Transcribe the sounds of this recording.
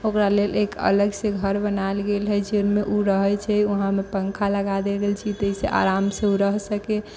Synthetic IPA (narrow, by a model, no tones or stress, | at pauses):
okɾalelekə̰ləɡsẽɡʱəɾbənalɡelɦɛd͡ʒenmeʔuɾəɦət͡ʃʰɛuɦãmepəŋkʰaləɡad̪eɡelt͡ʃʰit̪əɦiseʔa̰ɾamsẽuɾəɦsəke